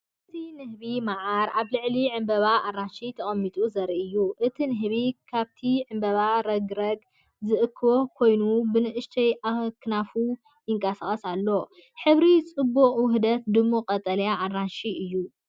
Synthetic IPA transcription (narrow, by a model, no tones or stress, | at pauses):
ʔɨt̪ʰinɨhβimaʕaɾʔaβlɨʕliʕɨmbɐβaʔarːanʃit̪ʰɐχʼɐmːit̪ʼuzɐɾiʔɨjːuʔɨt̪ʰinɨɦβikʰaβt̪ʰiʕɨmbɐβaɾɐɡɾɐɡ | zɨʔɨkʰːɨβo̞kʰo̞jnubɨnɨʔɨʃt̪ʰɐjakʰːɨnafu | jɪŋkʼɐsaχʼɐsalːo̞ | ħɨβɾit͡sʼɨbːuqʼwʊɦd̪ɐt̪̚d̪ɨmːoqʼɐt̪ʼɐljaʔarːanʃiʔɨjːu